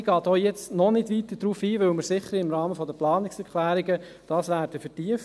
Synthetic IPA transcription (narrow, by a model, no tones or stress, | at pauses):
ɡ̥ɑːtoʊjɛt͡snɔnɪdʋitəd̥ɾuːfiːʋɵwməɾsɪχəɾɪmɾɑːməfɔdəplɑːnɪksɛɾklæːɾiɡə | d̥ɑːsʋæːɾdəfətiəf